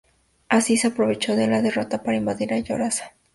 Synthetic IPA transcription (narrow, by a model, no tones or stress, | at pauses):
asiseapɾo̞βe̞t͡ʃo̞ðelaðero̞t̪apaɾaimbaðiɾaʝo̰ɾasḁ